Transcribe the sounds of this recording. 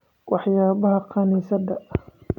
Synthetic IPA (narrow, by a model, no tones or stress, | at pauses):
wɑħjaːβɐɦɐqɑniːsɐd̪ɐ